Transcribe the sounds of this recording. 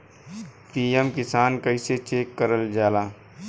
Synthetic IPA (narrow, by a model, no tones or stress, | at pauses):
piːjemkɪsaːnkəɪset͡ʃeːkːəɾəld͡ʒaːlaː